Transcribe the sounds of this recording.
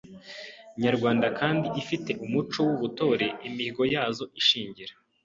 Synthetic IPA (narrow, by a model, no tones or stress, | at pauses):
ɲaɾɡwaːndakʰaːndiʔifite̞ʔumut͡ʃo̞wuβuto̞ːɾe̞imiɡo̞jaːzo̞ʔiʃiːɲɟiɾa